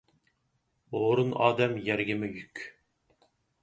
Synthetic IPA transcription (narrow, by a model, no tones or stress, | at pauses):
oɾunɑːd̪ɛmjɛɾɡʲɪmɪjykʲ